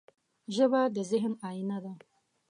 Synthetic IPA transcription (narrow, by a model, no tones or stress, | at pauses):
ʒəbad̪əzɪɦnaːjinad̪a